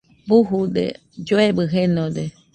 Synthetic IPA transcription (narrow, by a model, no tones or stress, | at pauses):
buɦudḛ | d͡ʒoebɨɦenod̪e